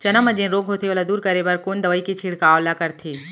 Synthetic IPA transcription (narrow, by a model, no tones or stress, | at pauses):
t͡ʃɐnəmɐd͡ʒẽɾoːɡʱɦoːt̪ʰeoːlad̪uːɾkɐɾebɐɾkoːnd̪ɐʋəːikit͡ʃʰiːɽkaːlakɐɾt̪ʰiː